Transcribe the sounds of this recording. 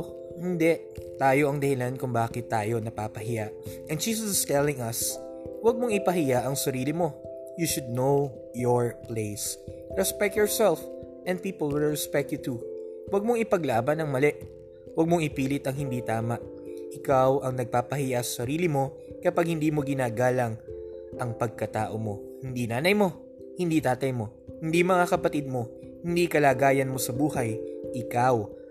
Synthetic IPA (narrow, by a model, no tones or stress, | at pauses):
hɪnd̪ɛʔ | t̪aːjo̞ʔɐŋd̪ɐhɪlankʊŋbaːkɪt̪ːaːjo̞nɐpaːpɐɦɪjaʔʔɛn̚d͡ʒiːs̬ɐsɪst̪ɛlɪŋɐs | wɐɡ̚moŋɪpɐhɪjaʔɐŋsɐɾiːlɪmo̞ | juʃʊd̪̚now | jɔɹpleɪs | ɹɛspɛk̚t̪jɔɹsɛlf | ʔɛnd̪̚piːpolˠwɪlɹɛspɛk̚t̪jut̪uwɐɡ̚moŋɪpɐɡlaːbɐnɐŋmɐlɛʔ | wɐɡ̚mo̞ŋɪpiːlɪt̪ɐŋhɪnd̪it̪aːmɐʔ | ʔɪkawʔɐŋnɐɡ̚paːpɐhiːʔɐsɐsɐɾiːlɪmo̞ | kɐpaɡ̚hɪnd̪iːmo̞ɡɪnaːɡaːlɐŋ | ʔɐŋpɐɡ̚kɐt̪a̰ːʔo̞mo̞ | hɪnd̪inaːnɐjmo̞ | hɪnd̪iːt̪aːt̪ɐjmo̞ | hɪnd̪imɐŋakɐpɐt̪id̪̚mo̞ | hɪnd̪ikɐlaːɡaːjɐnmo̞sɐbuːhɐjʔɪkaw